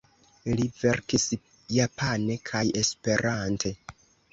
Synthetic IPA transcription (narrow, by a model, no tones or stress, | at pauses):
live̞ɾkis | japʰane̞kʰaje̞spe̞ɾantʰe̞